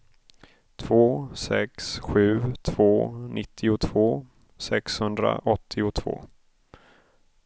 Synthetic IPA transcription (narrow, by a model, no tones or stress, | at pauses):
t̪ʰv̥oːsɛksɧʉ̟ːt̪ʰv̥oːnɪt̪ʰːɪʊt̪ʰv̥oː | sɛkshɵnd̪ɾa̰ʔɔt̪ʰːɪʊt̪ʰv̥o̰ː